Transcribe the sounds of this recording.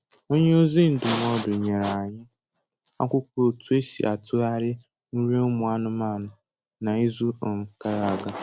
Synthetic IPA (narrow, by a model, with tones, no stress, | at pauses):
o˦ɲe˦o˦zi˦n̩˨dʊ˨m˦ɔ˦dʊ˨ɲe˨ɾa˨a˨ɲɪ˦ | a̰˦kʷʊ˦kʷo˨tu˦e˦sḭ˨ʔa̰˨tʊ˦a˦ɾɪ˦ | nu˦ɾe˦ʊ˦mʊ˨a˦nʊ˦ma˦˨nʊ˨ | na˨i˦zu˦o˨ŋ̩˨ka˦ɾa˨ɡa˦